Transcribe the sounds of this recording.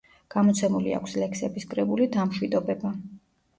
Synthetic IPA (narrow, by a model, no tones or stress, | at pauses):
ɡ̥amɔt̪sʰɛmulḭa̰kʷʰslɛkʰsɛbiskʼɾɛbulid̪amʃwid̪ɔbɛba